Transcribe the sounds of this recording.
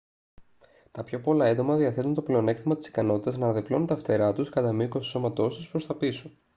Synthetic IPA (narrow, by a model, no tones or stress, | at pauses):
t̪ɐpço̞po̞lɐend̪o̞mɐðiɐθe̞t̪unt̪o̞ple̞o̞ne̞kt̪imɐt̪i̥si̥kɐno̞t̪it̪ɐznɐnɐðeplonunt̪ɐft̪e̞ɾɐt̪uskɐt̪ɐmiikosi̥so̞mɐt̪o̞st̪uspɾo̞st̪ɐpiso